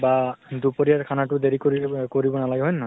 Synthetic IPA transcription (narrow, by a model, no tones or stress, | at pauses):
badupoɹijaɹkʰanatʊdeɹikokoɹibɔnalaɡɛɦɔjnːa